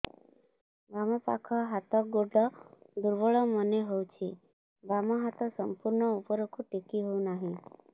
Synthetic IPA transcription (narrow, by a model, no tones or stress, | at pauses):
bamɔpa̰kʰɔɦat̪ɔɡoɖɔd̪uɾʋɔɭɔməneɦout͡ʃʰi | bamɔɦat̪ɔsəmpuɾɳɔupəɾokʰuʈekiɦoũnaɦĩ